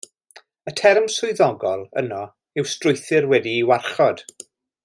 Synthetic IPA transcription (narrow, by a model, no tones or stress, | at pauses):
ətʰɛɾmsʊɨðɔɡɔlˠə̰nɔ | ɪwstrʊjθɨrwɛdiːwarχɔd̥